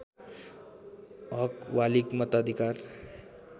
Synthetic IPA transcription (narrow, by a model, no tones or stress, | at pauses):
ɔkʋalikmət̪ad̪ʱikaɾ